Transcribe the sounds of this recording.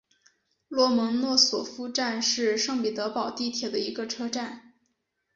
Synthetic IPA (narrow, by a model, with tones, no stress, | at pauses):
lwɔ˥˩mɤ˧˥ŋnwɔ˥˩swɔ˨˩fu˥ʈ͡ʂa˥˧nʂɻ̩˥˧ʂɤ˥˩ŋpi˨˩t̪ɤ˧˥pɑ˨˩ʊt̪i˥˩t̪ʰjɛ˨˩d̪ə˦i˧˥ɡə˧ʈ͡ʂʰɤ˥ʈ͡ʂa˥˩n